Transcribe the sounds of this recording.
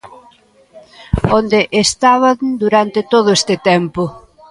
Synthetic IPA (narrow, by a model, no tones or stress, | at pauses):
ond̪eʔest̪aβand̪uɾant̪ɪt̪oð̞ʊest̪ɪt̪ɛmpʊ